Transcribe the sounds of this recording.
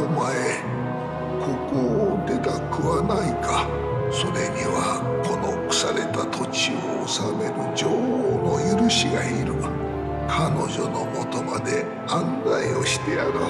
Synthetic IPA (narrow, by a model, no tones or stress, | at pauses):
omae | kʰo̞kod̪e̞t̪akɯ̟βanaika | so̞ɾe̞ɲiβa | ko̞no̞kɯ̥saɾe̞t̪at̪ʰo̞t͡ɕioːsame̞ɾɯ̟d͡ʑoːhono̞jɯɾɯ̟ɕiɡaiɾɯ̟ | kʰano̞d͡ʑo̞no̞mo̞t̪o̞mad̪e̞ | ãnd̪aio̞ɕi̥t̪e̞aɾɯ